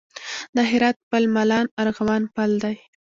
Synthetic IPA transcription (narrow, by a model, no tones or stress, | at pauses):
d̪əɦɪɾɑt̪̚pəlmalɑnaɾɣawɑnpald̪aj